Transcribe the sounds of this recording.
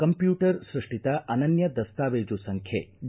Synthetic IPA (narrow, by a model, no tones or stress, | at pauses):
kɐmpjuːʈɐɾsɾiʂʈit̪aʔɐnɐnjɐd̪ɐst̪aːʋeːd͡ʒusɐŋkʰjḛː